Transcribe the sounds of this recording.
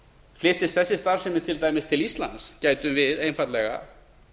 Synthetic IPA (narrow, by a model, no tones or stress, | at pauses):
flɪht̪ɪst̪θɛsːɪst̪aɾ̥sɛmɪɾ̥t̪ʰɪlt̪aːjmɪst̪ʰɪlist̪la̰nt̪scaːjt̪ʏmvɪðejnfat̪lɛɣa̰